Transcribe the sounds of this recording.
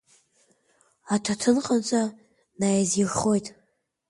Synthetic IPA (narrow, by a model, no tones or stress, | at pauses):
atʰatʰɨnqʼant͡sʷʼa | najaziχo̞jtʼ